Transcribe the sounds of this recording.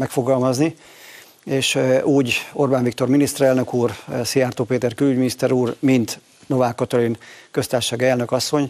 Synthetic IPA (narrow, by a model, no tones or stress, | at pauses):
mɛkfo̞ɡɒlmɒzni | eːʃuːɟo̞rbaːɱvikt̪o̞rminist̪ɛɾɛlnø̞kuːrsiart̪oːpeːt̪ɛrkylyɟminist̪ɛɾuːrmint̪ | no̞vaːkːɒt̪olinkø̞st̪aːrʃaːɡɛlnø̞kɒsːo̞ɲ